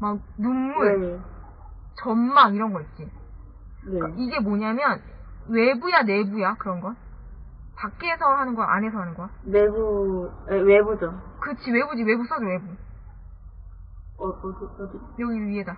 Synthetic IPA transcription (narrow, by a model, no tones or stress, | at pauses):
mak̚numːue | t͡ɕʌnmaɡiɾʌnɡʌit͡ɕ͈i | nekaiɡe̞moɲamjʌn | we̞bujane̞bujakɯɾʌnɡʌn | tak̚k͈eːsʰʌɦanɯnɡʌɾʔa̰nɦe̞sʰʌɦanɯnɡʌjanebuewebud͡ʑʌkɯt͡ɕʰiwe̞bud͡ʑiwe̞bus͈ʰʌdowe̞bu | ʌkkk | jʌɡiɥiɦeda